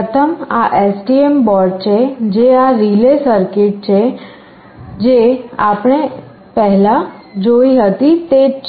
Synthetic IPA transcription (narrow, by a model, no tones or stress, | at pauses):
ət̪ʰəma̰ʔesʈiembɔɾɖ̚t͡ʃʰed͡ʒeaɾilesəɾkɪʈ̚t͡ʃʰe | d͡ʒeapɽ̃e | pɛɦlad͡ʒoiɦət̪it̪e